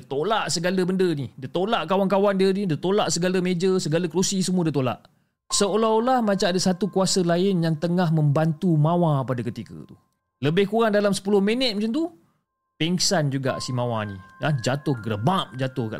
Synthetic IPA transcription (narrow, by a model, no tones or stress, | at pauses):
dət̪olaʔsəɡaləbəndənidət̪olaʔkawankawandiənidət̪olaʔsəɡaləmed͡ʒəsəɡaləkɾusisəmuadət̪ola̰ʔ | səolaolahmat͡ʃamadəsat̪ukuasəlaɪnjaŋt̪əŋaɦmə̃mbant̪umawapadakət̪ikə̰t̪u | ləbɪhkuɾaŋdalamsə̥pulʊhmənət̪̚mət͡ʃant̪u | pɛŋsand͡ʒuɡa̰ʔsimãwanḭlad͡ʒat̪ʊhɡəɾəbap̚d͡ʒat̪ʊhka̰ʔ